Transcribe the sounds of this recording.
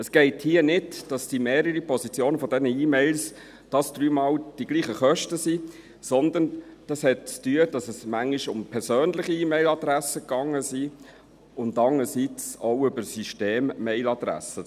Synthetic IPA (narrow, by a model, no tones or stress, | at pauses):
əsɡ̥ɛɪthiənɪdd̥ɑsd̥imeːɾəɾipʰɔzit͡sjoːnəfɔdɛnəiːmɛɪls | d̥ɑsd̥ɾyːmɑːld̥iɡ̥liːχəχœʃtəsi | sɔnd̪ənd̥ɑshɛt̚t͡styəd̥ɑsəsmæŋiʃʊmpʰɛɾsøːnlɪχiiːmɛɪlɑd̪ɾæsəkɑŋːəsi | ʊndɑŋːəsit͡soʊʏbəɾsyʃteːmːɛɪlɑd̥̪ɾæ̰sə